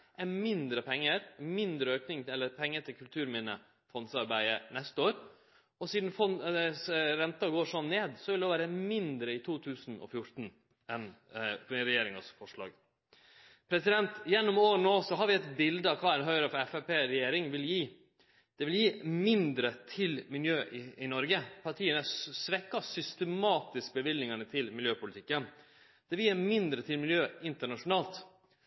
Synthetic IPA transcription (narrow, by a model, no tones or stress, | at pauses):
ʔæmɪnd̪ɾəpʰɛŋːəɾmɪnd̪ɾəøːknɪŋɛlːəɾpʰɛŋːəʈ̪ʰɪlkʰʉlt̪ʰʉːɾmɪnə | fɔnsɑɾbæɪənɛst̪əoːɾ | ɔsiːd̪n̩fɔnɛsɾɛnt̪ɑɡoːʂɔnːeːd̪sɔʋɪloʋæːɾəmɪnd̪ɾəɪt̪ʰuːt̪ʰʉːsn̩ʔɔ̰fjʊɾt̪n̩ | ɛnpɾɛjeːɾɪŋɑsfɔʂɭɑ̰ːɡ | pʰɾɛsɪd̪ɛnt̪jɛnːʊmoːɾnoːsɔɦɑɾʋɪɛt̪bɪld̪əɑkʰʋɑːɾɛnɦœʏɾəfɔɾɛfɛpeːɾɛjeːɾɪŋʋɪljiː | d̪̥ɛʋɪljiːmɪnd̪ɾət̪ʰɪlmɪljøːʔɪɪnɔɾɡəpʰɑʈʰiːənæsʋɛkːɑsʏst̪əmɑːt̪ɪsk̚bəʋɪlɪŋənət̪ʰɪlmɪljøːpʊlɪt̪ʰɪkːən | d̪̥ɛʋɪlːæmɪnd̪ɾət̪ʰɪlmɪljøːɪnt̪əɳɑʂʊnɑːlt̪